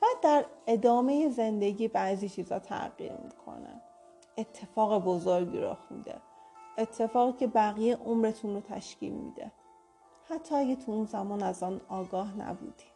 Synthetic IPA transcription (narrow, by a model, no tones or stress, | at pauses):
b̥æːd̪ːæɾe̞d̪ɒːme̞jeze̞nd̪e̞ɟiːbæziːt͡ʃʰiːzhɒ̰ːt̪ʰæ̰ɢḭːɾmḭkʰo̰nḛ | et̪ʰːe̞fɒːɣebozoɾɟḭɾo̰xmḭd̪ḛet̪ʰːe̞fɒːɣiːcʰe̞bæɣijeʔomɾe̞t̪ʰunrot̪ʰæ̰ʃcḭːlmḭd̪ḛ | hæt̪ʰːɒːæɡet̪ʰuunzæmɒːnæzɒːnɒːɡɒːhnæ̰bṵːd̪̥i̥